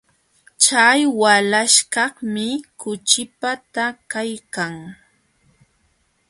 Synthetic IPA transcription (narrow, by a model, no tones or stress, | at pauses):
t͡ʃajwalaʃkɑhmɪkʊt͡ʃɪpat̪akajkaŋ